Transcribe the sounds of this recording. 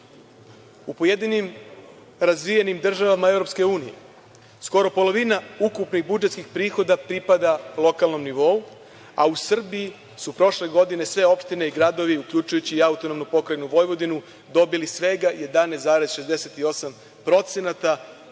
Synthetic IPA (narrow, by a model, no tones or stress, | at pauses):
upoje̞d̪inim | ɾazʋijenimd̪r̩ʒaʋamae̞vɾo̞pske̞uːnijḛ | sko̞ɾo̞po̞lo̞ʋinaukupnixbud͡ʒet̪skixpɾiːxo̞d̪apɾipad̪alˠo̞kalˠno̞mniʋo̞u | a̰usr̩bii | supɾo̞ʃle̞ɡo̞d̪ine̞sʋe̞o̞pʃt̪ine̞iɡɾad̪o̞ʋiukʎut͡ʃujut͡ɕiːaut̪ono̞mnopo̞kɾajnuʋo̞jʋo̞d̪inu | d̪o̞bilisʋe̞ɡaje̞d̪aneaːɾezʃe̞zd̪e̞set̪io̞sam | pɾo̞t̪se̞nat̪a